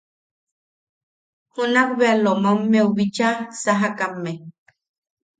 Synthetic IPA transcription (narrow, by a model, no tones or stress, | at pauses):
hunakβealomamːeuβit͡ʃasaɦakamːe